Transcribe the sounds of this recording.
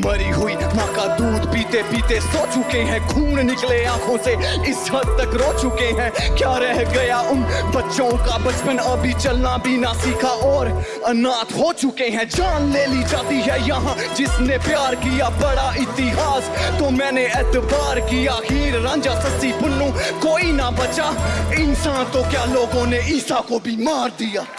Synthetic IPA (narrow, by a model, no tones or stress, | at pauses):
mɐɾiɦʊiːmãːkad̪uːd̪piːt̪epiːt̪esoːt͡ʃʊkeɦɛ̃ɡʱuːmɳnɪkleãːkʰõseɪsɦɐd̪̚t̪ɐkɾoːt͡ʃʊkeɦɛ̃ːkjaːɾɛɦɡɐjaʊnbɐtːʃõkabɐt͡ʃpənɐbʱit͡ʃɐlnabʱinasiːkʰaʔɔːɾ | ɐnaːt̪ʰɦoːt͡ʃʊkeɦɛ̃d͡ʒaːnleːlid͡ʒaːt̪iɦɛjɐɦãd͡ʒɪsnepjaːɾkijabɐɽaʔɪt̪ɪɦaːst̪omɛ̃ːneɛːt̪baːɾkijaɦiːɾːãːd͡ʒasɐsipʊnːũːkoːinabɐt͡ʃaɪnsãːnt̪okjaːloːɡõneiːsakobʱimaːɾd̪ijaː